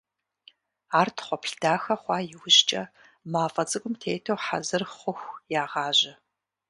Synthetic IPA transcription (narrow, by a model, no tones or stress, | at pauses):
aːrtʰχʷɔpɬdaːxɐχʷɑːjɪwʊʑt͡ʃʼɐ | maːfʼɐt͡sʼɨkʷʼʊmtʰeːtʰowħa̰zɨrχʷʊxʷjaːʁɑːʑɪ